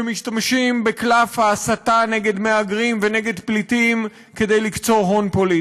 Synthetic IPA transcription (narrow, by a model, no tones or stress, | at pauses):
emiʃtamʃimbeklafhaːsataneɡe̞d̪meaɡʁimveneɡe̞dplitim | kedejlikt͡so̞ʁɦo̞npoli